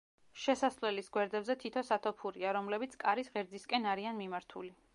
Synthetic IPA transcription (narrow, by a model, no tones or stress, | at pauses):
ʃɛsaslɛlisɡwɛɾd̪ɛbzɛt̪ʰit̪ʰɔsat̪ʰɔpʰuɾiaɾɔmlɛbit̪sʰkʼaɾisʁɛɾd̪ziskʼɛnaɾianmimaɾt̪ʰṵli